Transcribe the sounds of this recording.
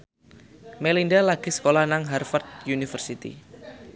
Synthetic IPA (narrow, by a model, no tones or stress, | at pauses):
melindalaɡ̥i̤sə̥kolahnaŋɦarfart̪̚junifərsit̪ḭ